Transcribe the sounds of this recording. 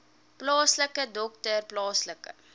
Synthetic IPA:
plɑːsləkədɔk̚tərplɑːsləkə̰

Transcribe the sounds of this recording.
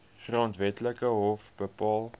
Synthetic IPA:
χrɑːntvɛtləkəɦɔfb̥əpɑːlˠ

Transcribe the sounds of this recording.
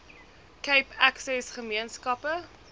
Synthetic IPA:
kəjpæksɛsχəmiənskɐpə

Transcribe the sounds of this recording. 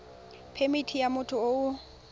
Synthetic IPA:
pʰemitʰijamʊtʰʊoʊ

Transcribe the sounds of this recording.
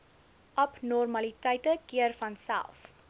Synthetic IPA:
ʔɐpnɔrmɐlitəjtəkiərfɐnsæ̰lˠf

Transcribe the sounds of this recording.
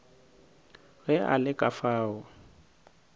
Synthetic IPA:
ɣɛa̰lɪkʼafaːɣʊ

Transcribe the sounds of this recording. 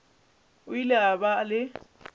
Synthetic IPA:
ʊilɪabalɪ

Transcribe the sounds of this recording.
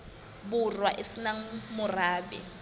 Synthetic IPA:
burwaʔesinaŋ̩mʊraːbɛ̰

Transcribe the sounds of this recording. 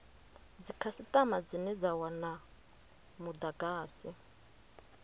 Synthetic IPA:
d͡zikʰasit̪ʼamad͡zinɛd͡zawana | mud̪aɡaːsi

